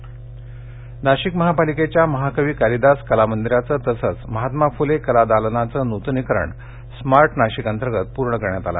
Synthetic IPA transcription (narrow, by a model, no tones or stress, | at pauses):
naɕikməɦapaliket͡ɕjaməɦakəʋiːkaɾid̪askəlamənd̪iɾat͡səːt̪əsət͡sməɦat̪mafulekəlad̪alənat͡səːnut̪nikɾə̰ɳ | smaɾʈnaɕikant̪əɾɡət̪̚puɾɳəkəɾɳjat̪ala̰